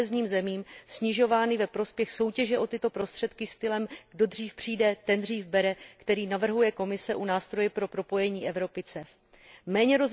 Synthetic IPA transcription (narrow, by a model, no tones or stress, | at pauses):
ɛzɲiːmzɛmiːmsɲɪʒo̞vaːnɪvɛpɾo̞spjɛxso̞wcɛʒɛʔo̞t̪ɪt̪o̞pɾo̞st̪r̝̥ɛt̪kɪst̪ɪlɛmɡ̥do̞d̪r̝iːfpr̝̥iːdɛt̪ɛnd̪r̝iːfbɛɾɛkt̪ɛɾiːnavr̩ɦujɛko̞mɪsɛʔunaːst̪ɾo̞jɛpɾo̞pɾo̞po̞jɛɲiːʔɛvɾo̞pɪt͡sɛf | mɛːɲɛɾo̞z